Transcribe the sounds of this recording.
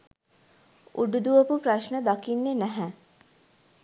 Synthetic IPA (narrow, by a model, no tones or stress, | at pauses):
uɖud̪uʋəpupɾɐʃnəd̪akinːenɛɦɛ̃